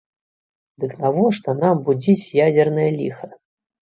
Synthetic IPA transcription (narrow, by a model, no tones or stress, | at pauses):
d̪ɨkt̪avɔʂt̪ɔnambud͡zʲit͡sʲjad͡zʲɛrnɐjɐlʲixɐ